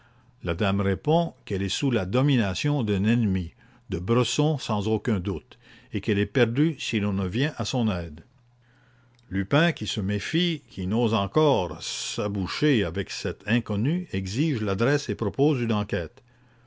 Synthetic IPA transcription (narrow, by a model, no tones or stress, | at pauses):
lad̪amʁepɔ̃kɛlɛsulad̪ɔminasjɔ̃d̪ɛ̃nɛnmi | d̪əbʁəsɔ̃sɑ̃zokʲɛ̃d̪ut̪ekɛlɛpɛʁd̪ysilɔ̃nəvjɛ̃ʔasɔ̃nɛːd̪ | lypɛ̃kʲisəmefikʰʲinozɑ̃kɔʁsabuʃeavɛksɛt̪ʰɛ̃kɔnyɛɡziʒlad̪ʁɛsepʁɔpoːzynɑ̃kɛːt̪